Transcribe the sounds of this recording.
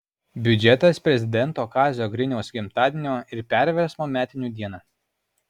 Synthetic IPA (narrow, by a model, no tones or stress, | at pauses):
bʲʊd͡ʒʲɛt̪ɐspʲɾʲɛzʲɪd̪ʲɛnt̪oːkɑːzʲoːɡɾʲɪnʲɛʊsɡʲɪmt̪ɑːd̪ʲɪnʲoːɪɾpʲæˑɾʲʋʲɛɾsmoːmʲæːt̪ʲɪnʲuːd̪ʲiɛnɑː